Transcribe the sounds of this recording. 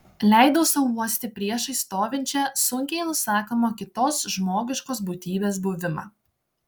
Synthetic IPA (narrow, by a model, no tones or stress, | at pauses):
lʲæˑɪd̪oːsɐʋuɔsʲt̪ʲɪpʲɾʲiɛʃɐɪst̪oːʋʲɪnʲt͡ʃʲɛsʊŋʲkʲɛɪnʊsɑːkoːmoːkʲɪt̪oːsʒmoːɡʲɪʃkoːs̬buːt̪ʲiːbʲeːsbʊʋʲɪmɑ̰ː